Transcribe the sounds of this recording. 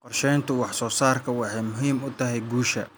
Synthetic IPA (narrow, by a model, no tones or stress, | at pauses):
qɔrʃɛjnt̪ʰʊwɑħsɔːsaːrkʰɐwɑħɑjmʊɦiːmʊt̪ʰɐɦɛjɡuːʃɐ̰